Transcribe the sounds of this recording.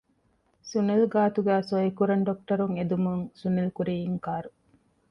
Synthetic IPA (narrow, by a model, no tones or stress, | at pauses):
sunelɡaːt̪uɡæːsoikuɾɐɳɖok̚ʈɐɾuŋed̪umuŋsunɐlkuɾijiŋkaːɾu